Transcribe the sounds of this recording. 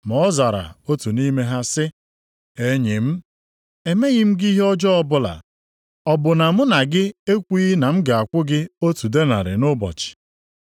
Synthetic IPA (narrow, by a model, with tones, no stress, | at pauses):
m˨ɔ˦za˨ɾa̰˨o˦tu˨ni˦me˦ɦa˦sɪ˦ | e˦ɲe˨m̩˦ | e˨me˦ɣɪ˦m̩˦ɡi˦ɦe˦ɔ˦d͡ʒɔ˦ɔ˦bʊ˦la̰˨ | ɔ˨bʊ˨na˨m̩˦na˨ɡɪ˦e˦kʷi˦na˨m̩˦ɡa˨a˨kʷʊ˦ɡɪ˦o˦tu˨de˦na̰˨ɾɪ̰˨nʊ˦bɔ̰˨t͡ʃɪ̥˨